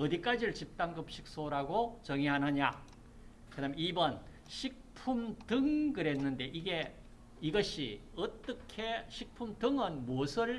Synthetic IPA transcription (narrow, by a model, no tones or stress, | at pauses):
ʌdik͈ad͡ʑiɾɯɭt͡ɕip̚t͈aŋɡɯp̚ɕʰik̚s͈oɾaɡot͡ɕʌŋiɦanɯɲa | kɯdameibʌn | ɕʰik̚pʰumtɯŋkɯɾe̞nːɯnde̞ʔiɡe̞ | iɡʌɕʰiʌt͈ʌkʰeɕʰik̚pʰumtɯŋɯnmosʰɯɭ